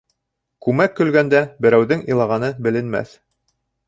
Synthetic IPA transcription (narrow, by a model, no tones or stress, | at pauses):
kʉmækkːɵ̆lɡænd̪æbɘ̆ɾæwðɘŋilˠɑʁɑnɤbɘ̆lɘ̆nmæ̰θ